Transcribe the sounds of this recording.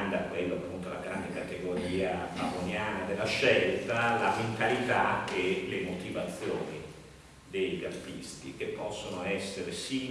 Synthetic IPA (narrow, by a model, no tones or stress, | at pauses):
nd̪akːwelːoapːunt̪ola̰ɡɾand̪ekat̪eɡoɾiːapavonjaːnad̪elːaʃːɛlt̪alament̪alit̪aelemot̪ivat̪sːjoːni | d̪eʎːalt̪ist̪ḭk̟epːɔsːonoɛsːeɾesiː